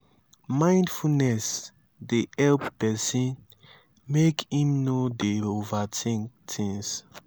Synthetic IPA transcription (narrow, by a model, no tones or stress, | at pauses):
mãj̃ndfunɛs | dehɛlppɛsĩn | mekĩmnodeovatʰĩŋk | tʰĩŋs